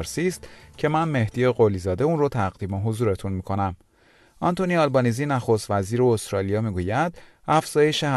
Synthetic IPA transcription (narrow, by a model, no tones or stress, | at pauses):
ɾsiːst̪cʰe̞mænme̞hd̪ijeɢolizɒːd̪e̞uːnrot̪ʰæɣd̪iːmeɦo̞zuːɾe̞t̪ʰunmiːkʰo̞næm | ʔɒnt̪ʰoniɒlbɒːniziːnæxo̞st̪væziːɾeost̪ɾɒːlijɒːmiːɡuːjæd̪̥ | æfz̥ɒːje̞ʃeh